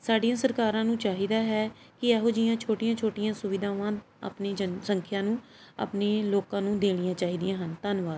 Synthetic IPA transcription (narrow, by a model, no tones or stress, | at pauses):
saːɖijãːsəɾkaːɾãːnũːt͡ʃaːɦiːd̪aːɦɛː | kɪɛːɦoːd͡ʒɪjãːt͡ʃʰoːʈɪjãːt͡ʃʰoːʈɪjãːsʊʋɪd̪ʱãːʋãː | ə̰pneːsə̃ŋkʰjãːnũː | a̰pneːloːkãːnũːd̪eːɽ̃ijãːt͡ʃaːɦiːd̪ijãːɦənt̪anʋaːd̪